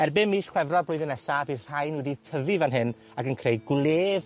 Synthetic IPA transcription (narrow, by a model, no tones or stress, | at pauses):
ɛrbɪmiːʃχwɛvrɔblʊɨðənɛsabiːðr̥ajnwɛditʰəvɨvanɦɪn | aɡənkʰrejɡwlˠeːv